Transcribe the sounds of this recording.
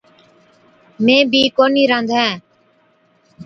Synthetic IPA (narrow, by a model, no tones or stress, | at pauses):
mẽːbʱiːkoːniːɾə̃nd̪ʱɦɛ̃ː